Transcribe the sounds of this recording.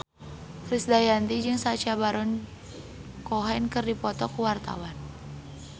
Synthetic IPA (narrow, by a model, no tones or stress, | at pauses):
fɾisdajant̪id͡ʒɨŋsat͡ʃabaɾɔn | kɔɦɛnkɨrdipɔt̪ɔkuwart̪a̰wan